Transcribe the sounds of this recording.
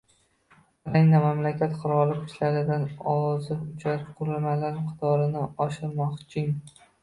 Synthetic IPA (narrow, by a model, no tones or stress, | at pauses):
ɾajnamamlakʲʰat̪qʰʊɾɒlˠɪkʰʊ̥t̪laɾɪd̪anɒzɪʊt͡ʃʰaɾɪpqʰʊɾɪlmalaɾqʰɨ̥t̪ʰɒɾɪnɪɒʃɪɾmɒqt͡ʃʰɪŋ